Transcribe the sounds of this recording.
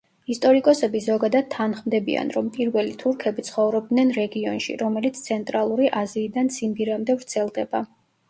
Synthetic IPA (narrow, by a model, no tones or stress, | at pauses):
ist̪ʼɔɾikʼɔsɛbizɔɡad̪ad̪̚t̪ʰːanχmd̪ɛbḭa̰nɾɔmpʼiɾvɛlit̪ʰuɾkʰɛbit̪sʰχɔvɾɔb̚d̪nɛnɾɛɡiɔ̰nʃḭɾɔmɛlit̪sʰt̪sʰɛnt̪ʼɾalˠuɾiʔaziːd̪ansimbiɾamd̪ɛvɾt̪sʰɛlˠd̪ɛba